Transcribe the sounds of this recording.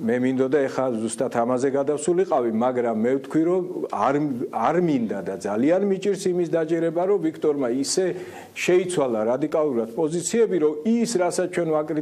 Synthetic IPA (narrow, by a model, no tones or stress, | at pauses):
mɛmind̪ɔd̪aɛχazust̪ʼat̪ʰamazɛɡad̪afsuliqʼavimaɡɾamːɛft̪ʰkʰwiɾɔaɾaɾmind̪ad̪ad̪zalianmit͡ʃʼiɾsimisd̪at͡ʃʼɛɾɛbaɾɔvikʰt̪ʼɔɾmaisɛ | ʃɛit̪sʰwalˠaɾad̪ikʼalˠuɾad̪̥̚pʼɔzit̪sʰiɛbiɾɔisɾasat͡ʃʰwɛnvakʼɾi